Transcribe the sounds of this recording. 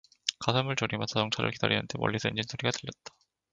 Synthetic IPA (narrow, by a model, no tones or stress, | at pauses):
kasʰʌmɯɭt͡ɕoɾimansʰajʌŋt͡ɕʰaɾɯ̰ɭkid̥a̰ɾia̰ntʰemʌ̰ʎːisʰend͡ʑinsʰoɾiɡatɯʎːjʌt̚t͈ḁ